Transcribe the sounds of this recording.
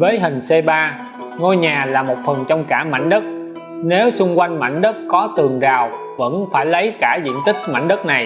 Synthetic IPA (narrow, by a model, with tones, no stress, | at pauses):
vəː˨˦jɦï˨˩ŋ̟se˧ɓaː˧ | ŋo˧jɲaː˨˩laː˨˩mo˨˩t̚fə˨˩nt͡ɕɔ˧wŋ͡mkaː˧˩ma̰˧˥˩jŋ̟ɗə˦˥t̚ | ne˨˦wsʊ˧ŋ͡mkwa˧jŋ̟ma̰˧˩jŋ̟ɗə˦˥t̚kɔ˨˦t̪ɨ˨˩əŋzaː˨˩w | və̰˧˥nfaː˧˩jlə˨˦jkaː˧˩zḭ˧˨ənt̪ï˦˥k̟̚ma̰˧˩jŋ̟ɗə˦˥t̚na˨˩j